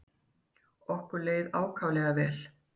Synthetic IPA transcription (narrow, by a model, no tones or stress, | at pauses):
ɔhkʏɾleːjðaːwkʰaːwvlɛɣavɛːl